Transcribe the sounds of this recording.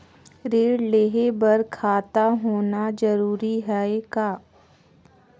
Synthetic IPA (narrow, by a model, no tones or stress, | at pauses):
ɾeːɽleːɦebɐɾkʰaːt̪aɦoːnad͡ʒɐɾuːɾiɦɛekaː